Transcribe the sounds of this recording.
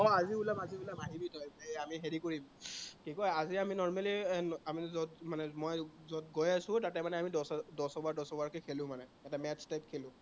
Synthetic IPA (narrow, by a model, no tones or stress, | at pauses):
ɔaziulamaziulamaɦibitʰɔjamiɦeɹikoɹimkikɔjaziaminɔɹmalinamizɔdmanɛmɔjzɔd̚ɡɔjasʊ̃tatɛmanɛamidɔsdɔsɔbaɹdɔsɔbaɹkekʰelʊ̃manɛɛtamɛtstajp̚kʰelʊ̃